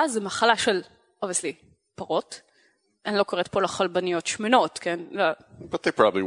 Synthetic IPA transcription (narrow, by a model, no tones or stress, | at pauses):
azmaχalaʃel | ʔoviəsli | paʁot | ʔanilokoʁet̚polaχalbanijo̞tʃmeno̞tkʰenlobɐt̪ðejpɹɑbəbli